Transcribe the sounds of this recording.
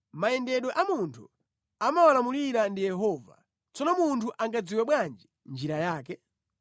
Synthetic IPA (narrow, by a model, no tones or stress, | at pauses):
maɛndɛɗɔʔamuntʰṵ | amawalamuliɾandijɛɦɔva̰ | t͡sɔnɔmuntʰuʔaŋɡad͡ziwɛɓwand͡ʒi | nd͡ʒiɾajaːk̬ɛ